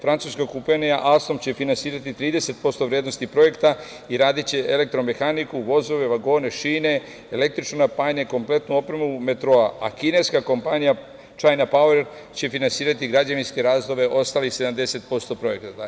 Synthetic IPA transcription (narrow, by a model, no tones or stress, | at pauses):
fɾant̪suskakupenijaʔalst̪o̞mt͡ɕe̞finansiːɾat̪it̪ɾiːd̪e̞se̞t̪̚po̞st̪o̞ʋɾjed̪no̞st̪ipɾo̞je̞kt̪a | iɾaːd̪itt͡ɕe̞ʔele̞k̚t̪ɾo̞me̞xanikuʋo̞zo̞ʋe̞ʋaɡo̞ːne̞ʃiːne̞ | ele̞k̚t̪ɾit͡ʃnonapaɲeko̞mple̞t̪nuo̞pɾe̞mume̞t̪ɾo̞aa̰kine̞jskako̞mpanija | t͡ʃajnapaueɾ | t͡ɕe̞finansiːɾat̪iɡɾad͡ʑaʋinske̞ɾaːzd̪o̞ʋe̞ʔo̞st̪aːlixse̞d̪amd̪e̞se̞t̪̚po̞st̪o̞pɾo̞je̞kt̪at̪a